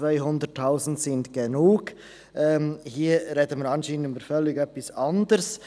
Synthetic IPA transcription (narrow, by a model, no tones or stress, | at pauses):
vaɪɦʊndətʰːaʊsn̩dsɪndɡ̥enuːɡ | ʔɛːmhiːɾɛdəməɾɑnʃiːnənyːbəɾfœlːɪɡœpːɪsɑndəɾs